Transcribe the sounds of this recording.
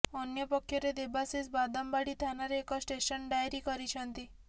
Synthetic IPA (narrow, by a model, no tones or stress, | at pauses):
ɔnjɔpɔkʰːjɔɾed̪ebasisbad̪ɔmbaɽit̪ʰanaɾeːkɔsʈesɔnɖajɾikɔɾit͡ʃʰɔnt̪i